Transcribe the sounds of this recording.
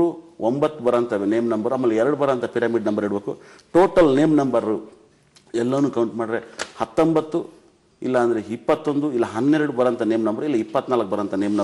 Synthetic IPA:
uombɐt̪ːubɐɾɐnt̪ɐʋeneːmnɐmbɐɾɐmːɐlːɛɛɾɐɽubɐɾɐnt̪ʰɐpiɾaːmiːɖnɐmbɐɾiːɽbeːkṵ | ʈoːʈɐlneːmnɐmbɐɾu | ɛlːɐʋɐnːuːkɐwɳʈmaːɽiɾehɐt̪ːombɐt̪ːu | ilːɐːnd̪ɐɾeipːɐt̪ːo̞nd̪uilːɐɦɐnːɛɾɐɽubɐɾɐnt̪ʰɐne̞ːmnɐmbɐɾilːɐipːɐt̪ːnaːlɐk̚ːbɐɾɐnt̪ʰɐneːmnɐ

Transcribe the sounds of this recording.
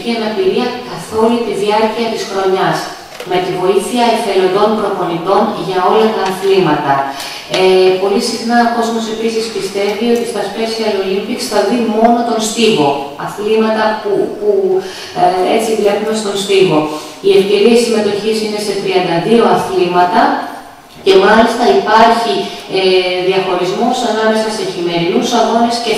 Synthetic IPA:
çiɐnɐpiɾiɐkɐθo̞lut̪iðiɐɾciɐt̪isxɾo̞ɲɐs | me̞t̪ivo̞iθiɐefe̞lo̞nd̪o̞mpɾo̞po̞nit̪o̞nʝɐo̞lɐt̪ɐːθlimɐt̪ɐ | po̞lisixnɐoko̞zmo̞se̞pisispist̪e̞vio̞t̪ist̪ɐspesiɐlolimpiksθɐðimo̞no̞t̪o̞nst̪ivo̞ɐθlimɐt̪ɐpupu | e̞t͡sivlepume̞st̪o̞nst̪ivo̞ | ie̞fce̞ɾiɐisime̞t̪o̞çisine̞se̞t̪ɾiɐnd̪ɐðio̞ɐθlimɐt̪ɐ | ce̞mɐlist̪ɐipɐɾçi | ðiɐxo̞ɾizmo̞sɐnɐme̞sɐse̞çime̞ɾinusɐɣo̞nesce

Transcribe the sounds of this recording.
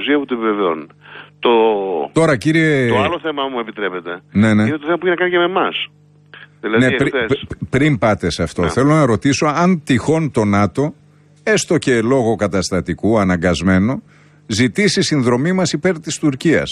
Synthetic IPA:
siɐput̪oepiveveo̰nt̪ot̪o̞ɾɐciɾietoɐloθemɐmuepit̪ɾepet̪e̞neneinet̪oθemɐpuiçinɐkɐniceme̞mɐs | ðilɐneɾespɾimpɐt̪esɐft̪o̞θe̞lo̞nɐɾo̞t̪iso̞ɐnt̪ixo̞nt̪o̞nɐt̪o̞ | e̞st̪o̞ce̞lo̞ɣo̞kɐt̪ɐst̪ɐt̪ikuɐnɐŋɡɐzme̞no̞ | zit̪isisinðɾo̞mimɐsipe̞ɾt̪ist̪uɾciɐ̰s

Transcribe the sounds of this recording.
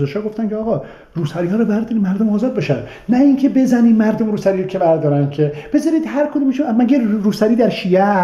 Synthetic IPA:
zeʃɒːɡo̞ft̪ænkʰʲeɒːɣɒː | ɾuːsæɾihɒːɾɔbæɾd̪ɒːɾimæɾd̪omɒːzɒːd̪̚beʃæ̰d̪ | næiŋkʰebe̞zæniːmæɾd̪omɾuːsæɾiːɾokʰʲebæɾd̪ɒːɾænkʲʰeb̥e̞zɒɾiːd̪hæɾkʰod̪uːmiʃmæɡeɾuːsæɾiːd̪æɾʃiːæ

